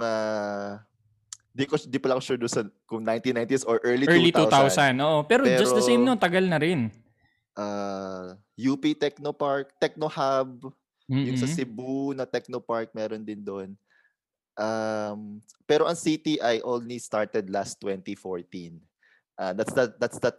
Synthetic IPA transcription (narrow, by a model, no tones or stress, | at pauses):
ŋa | d̪ikod̪ipɐlɐkoʃud̪ʊnsɐkʊŋnajnt̪inaj̃nt̪isoɹʔɛɹlitɛɹlit̪uwt̪awsanʔoʔopɛːɾopɛɛːd͡ʒɐsɾod̪ɐejmnont̪ɐɡalnɐɾɪn | ʔa | juːpit̪ɛk̚nopaɹk̚t̪ɛk̚nohab̚ | mjʊŋsɐsɪbunɐt̪ɛk̚nopaɹk̚mɛːɾond̪ɪnd̪on | ʔampɛːɾo̞ʔɐŋsit̪iʔɐjʔonlist̪aɹt̪ɛd̪last̪wɛnt̪ifoɹt̪in | ʔad̪at̪sd̪ɐd̪at̪sd̪ɐt̪̚